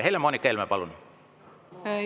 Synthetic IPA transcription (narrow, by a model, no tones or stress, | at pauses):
heilːæmonikːeilmæpɑlunu